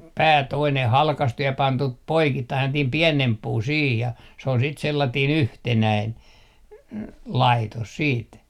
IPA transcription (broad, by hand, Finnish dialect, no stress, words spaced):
pæː toineh hɑlkɑstu jɑ pɑntu poikitːɑin selːɑtiːm piɛnemp puː siːh jɑ se ol sit selːɑtiːn yhtenæin lɑitos siːt